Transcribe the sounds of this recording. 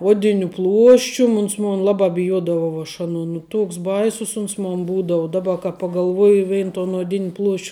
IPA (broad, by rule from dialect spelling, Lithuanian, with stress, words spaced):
ˈuɔdʲɪnʲʊ ˈplˠuɔʃʲt͡ʃʲʊm ˈʊns ˈmʊn ˈlˠɑːbɑː bʲɪˈjuɔdɐʋɐʊ ɐʃ ˈɑːnuɔ nʊ ˈtuɔks ˈbɐɪsʊs ˈʊns moːn ˈbuːdɐʊ ˈdɑːˌbɐ kɐ pɐɡɐlˠˈʋuɔjɪ ˈʋʲɛɪn toːn oːˈdʲɪnʲ plˠuɔʃʲt͡ʃʲ